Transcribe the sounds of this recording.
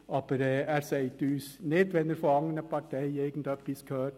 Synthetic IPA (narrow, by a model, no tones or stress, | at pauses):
ɑːbəɾæɾseɪt̪ʉːsneːd̪ʋɛnːəɾfɔɑŋənəpʰɑʈʰæɪjeɪɡən̩t̪ɛpːɪskʰøːɾ